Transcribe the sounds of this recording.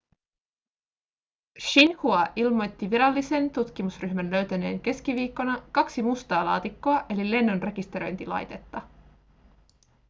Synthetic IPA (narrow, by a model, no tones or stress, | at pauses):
ʃinhuɑʔilmo̞jt̪ːiʋiɾɑlːise̞nt̪ut̪k̟imusryçmænlø̞ɥt̪æne̞̰ːŋke̞sk̟iʋiːkːo̞nɑkɑksimust̪ɑːlɑ̰ːt̪ikːo̞ɑʔe̞lile̞nːonre̞kist̪e̞ɾo̞jnt̪ilɑ̰jt̪e̞t̪ːɑ